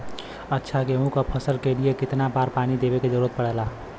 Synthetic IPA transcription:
ətːʃʰakeũkapʰəsəlkeliekɪt̪napaːɾpaːnid̪ebeked͡ʒəɾuɾət̪̚pəɽɛla

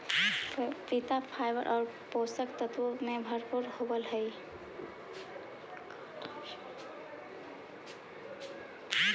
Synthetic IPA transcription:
pit̪apʰajbəɾʔɔːɾ | posəkt̪ət̪wəmebʱəɾpuɾhobəlɦəj

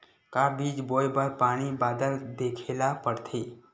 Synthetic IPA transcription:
kaːbiːd͡ʒboːjbəɾpaːɽ̃ibaːd̪əld̪eːkʰeːlapəɽt̪ʰeː

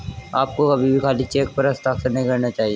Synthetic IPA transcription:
aːp̚koɐbʱibʱikʰaːlit͡ʃeːk̚pɐɾɐst̪aːkseɾnəɦĩkɐɾnat͡ʃaːɦieː

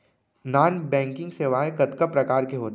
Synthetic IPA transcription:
naːnbɛ̃ːŋkɪ̃ŋɡseːʋaːẽkɐt̪kəpɾɐkaːɾkeɦoːt̪

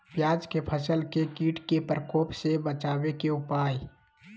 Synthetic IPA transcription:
bjaːd͡ʒkepʰəsəlkekiːʈkepɾəkoːpsebət͡ʃaːwekeʊpaːji

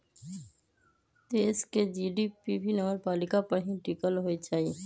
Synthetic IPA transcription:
d̪̥eːsked͡ʒiːɖipibʱinəʋəɾpaːlɪkapəɽɦĩʈikəlɦoit͡ʃaːi

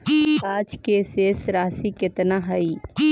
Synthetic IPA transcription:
aːd͡ʒkeseːsɾaːsikɪt̪naɦɐi

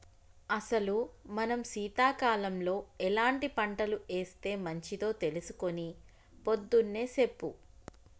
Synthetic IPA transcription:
ɐsɐlumɐnɐmsiːt̪aːkaːlɐmlo̞ːɛlaːɳʈipɐɳʈɐlue̞ːst̪e̞ːmɐɲt͡ʃit̪o̞ːt̪e̞lusukoni | po̞d̪ːunːe̞ːsepːu

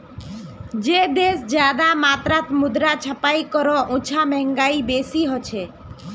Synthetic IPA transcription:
d͡ʑed̪esd͡ʒad̪amat̪ɾat̪mud̪ɾat͡ʃʰapajkɔɾɔʔũt͡ʃʰamɛŋɡajibesiɦɔt͡ɕʰe

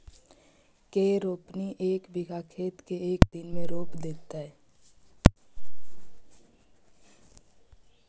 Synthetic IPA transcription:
keːɾoːpniʔeːkbɪɡʱakʰeːt̪keeːkd̪ɪnmẽɾoːpd̪eːt̪aɦɛː

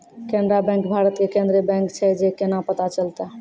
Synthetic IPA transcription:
kenɖɾabɛ̃ŋkbʱaɾət̪kekẽnd̪ɾebɛ̃ŋkt͡ʃʰɛd͡ʒekenapət̪at͡ʃəlt̪a

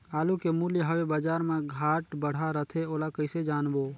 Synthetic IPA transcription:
aːlukemuljəɦəwebaːd͡ʒaːɾmẽɡʱaːʈbəɽ̤aɾət̪ʰeoːlakəɪsed͡ʒaːnboː

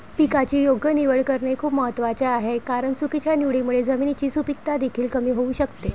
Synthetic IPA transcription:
pikat͡ɕiːjoɡʱjəniʋəɭkəɾɳekʰuːpməɦət̪ːʋat͡ɕeaɦekaɾəɳsukit͡ɕjaniʋɭimuɭed͡zəminit͡ɕiːsupik̚t̪ad̪ekʰiːlkəmiːɦouːɕəkt̪e

